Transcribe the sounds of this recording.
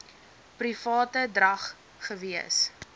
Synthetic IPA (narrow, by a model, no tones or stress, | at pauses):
prifɑːtədrɐχ | χəviəs